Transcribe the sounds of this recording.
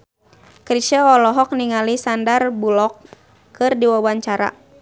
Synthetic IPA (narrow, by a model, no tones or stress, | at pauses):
kɾiʃaɔlɔɦɔk̚niŋalisandarbulɔk | kɨrdiwawaɲt͡ʃaɾa̰